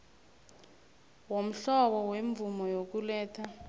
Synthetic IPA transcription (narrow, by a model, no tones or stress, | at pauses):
wom̩ɬɔɓɔweɱvumɔjok̬ulɛːtʰa